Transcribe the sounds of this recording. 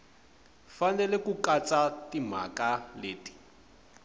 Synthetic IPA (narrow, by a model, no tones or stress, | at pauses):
fanɛlɛkukat͡satim̤a̰kaleːti̥